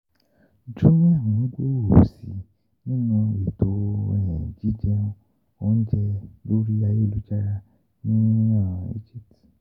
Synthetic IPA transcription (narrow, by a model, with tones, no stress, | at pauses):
d͡ʒu˦nĩ˦ã˨˦ɡ͡bo˦˨o˨sḭ˨ | nĩ˦nũ˧e˨to˧˨jɛ̃˨d͡ʒi˦d͡ʒɛ̃˦ | o˦n̩˦d͡ʒɛ˧bo˦ɾi˦a˧je˦˨lu˦d͡ʒa˦ja˦ | nĩ˦ã˦˨ḛ˦d͡ʒi˦pti̥˨